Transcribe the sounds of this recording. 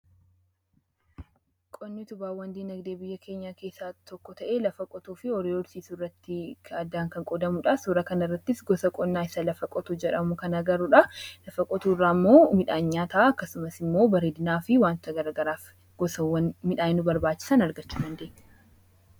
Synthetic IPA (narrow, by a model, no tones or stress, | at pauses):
kʼɔnːɪt̪ʊbaːwːɐnd̪iːnɐɡd̪eːbɪjːɐkʰe̞ːɲːaːke̞ːsːaːt̪ɔkːɔt̪ɐʔe̞ːlɐfɐkʼɔt̪uːfɪɔɾeːwɔɾsiːsurːɐt̪ːɪɐd̪ːaːŋkɐŋkʼɔd̪ɐmuːᶑɐsuɾɐkɐnɪrːɐt̪ːɪsɡɔsɐkʼɔnːaːɪsɐlɐfɐkʼɔt̪ud͡ʒɛᶑɐmʊkɐnɐɡɐɾuᶑɐlɐfɐkʼɔt̪uːrːaːmːo̞ːmɪᶑaːɲːaːt̪ɐʔaɐkːɐsʊmɐsɪmːo̞ːbɐɾeːd̪ɪnaːfɪwaːnt̪t̪ɐɡɐɾɐɡɐɾaːf | ɡ̥ɔsɐwɐnmɪᶑaːɪnʊbɐɾbaːt͡ʃːɪ̥sɐnɐɾɡɐt͡ʃːuːdɐnd̪e̞ːɲ̥ː